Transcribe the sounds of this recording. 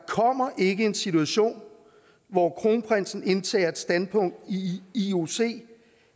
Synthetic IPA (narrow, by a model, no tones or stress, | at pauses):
kʰɒ̽m̰ɐʔe̝ɡ̥əe̝nsit͡sʰuæɕo̝̰ːn | ʋɒkʰʁo̝ːnəpʰʁɛn̰sn̩e̝nt͡sʰɛ̰ːɐe̝d̥sd̥ænpʰɔ̽ŋ̰d̥iio̝se̝̰ː